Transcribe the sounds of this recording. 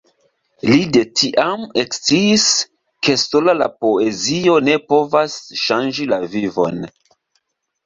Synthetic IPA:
lide̞tʰiʔame̞kst͡siːs | kʰe̞so̞lala̰po̞e̞zio̞ne̞po̞vasʃand͡ʒilavivo̞̰n

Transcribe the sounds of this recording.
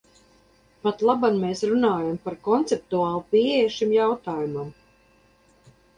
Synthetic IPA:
pat̪lˠabanmeːsɾunaːjampaɾkɔnt̪sɛp̚t̪uaːlˠupiɛjɛʃimjawt̪aːjumam

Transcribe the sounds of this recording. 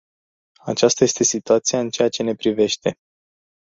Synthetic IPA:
at͡ʃast̪aje̞st̪e̞sit̪uat̪siaɨnt͡ʃe̞jat͡ʃe̞ne̞pɾive̞ʃt̪e̞

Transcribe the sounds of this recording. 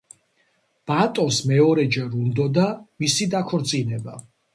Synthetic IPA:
b̥at̪ʼɔsmɛɔɾɛd͡ʒɛɾund̪ɔd̪amisid̪akʰɔɾt̪sʼinɛba

